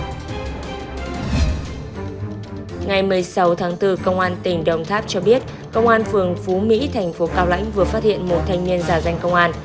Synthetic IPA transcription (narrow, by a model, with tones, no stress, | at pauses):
ŋa˨˩jmɨ˨˩əjsa˨˦wt̪ʰaː˨˦ŋt̪ɨ˧kə˧wŋ͡mʔaː˧nt̪ï˨˩ŋ̟ɗə˨˩wŋ͡mt̪ʰaː˦˥p̚t͡ɕɔ˧ɓi˦˥ət̚ | kə˧wŋ͡mʔaː˧nfɨ˨˩əŋfo˨˦mḭ˧˥t̪ʰɛ˨˩jŋ̟fo˨˦kaː˧˩wla̰˧˥jŋ̟vɨ˨˩əfaː˦˥t̚hḭ˧˨ənmo˨˩t̚t̪ʰa˧jŋ̟ni˧ənzaː˨˩za˧jŋ̟kə˧wŋ͡mʔaː˧n